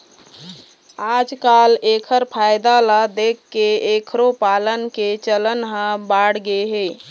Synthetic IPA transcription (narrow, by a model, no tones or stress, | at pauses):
ad͡ʒkalekʰəɾpʰajd̪alad̪ekʰːeekʰɾopalənket͡ʃələnɦə̃baɽɡeɦe